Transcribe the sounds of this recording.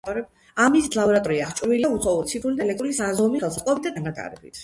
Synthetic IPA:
ɔɾɛ | amislabɔɾat̪ʼɔɾiaχt͡ʃʼviliausʰɔuɾt̪sʰipʰɾulid̪aɛlɛk̚t̪ʼɾulisazɔmiχɛlˠsχqʼlˠɔbit̪̚ad̪anat̪ʼa̰ɾɛ̰bḭt̪ʰ

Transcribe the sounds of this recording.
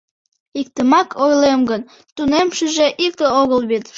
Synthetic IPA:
ik̚t̪əmɑkʰojlemɡən | t̪unemʃəʒeʔik̚k̪əoɣəlβet̪

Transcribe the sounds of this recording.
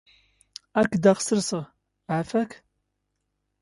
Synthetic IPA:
ækːd̪ɑʁə̥səɾsəʁ | ʕafæk

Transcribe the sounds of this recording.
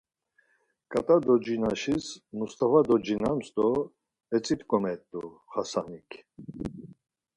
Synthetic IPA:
kʼat̪ʼad̪ɔd͡ʒinaʃismust̪ʰʼavad̪ɔd͡ʒinamsd̪ɔ | ɛt͡sʼit̪ʼkʼɔmɛt̪ʼːṵχasanikʰ

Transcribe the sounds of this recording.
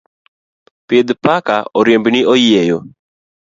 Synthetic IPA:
pjed̪pakaɔɾjembniojejo

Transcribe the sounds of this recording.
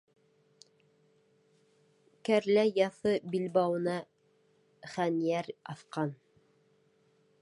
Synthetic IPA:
kæɾlæjɑθɤbilbɑwɤ̆nɑ | χænjæɾɑθqɑn

